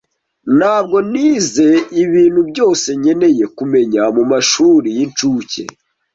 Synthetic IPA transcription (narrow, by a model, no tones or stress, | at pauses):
n̥haːb̚ɡo̞niːze̞iβiːn̥hubɟo̞ːse̞ɲe̞ne̞je̞kume̞ɲamumaʃuːɾijint͡ʃuːce̞̰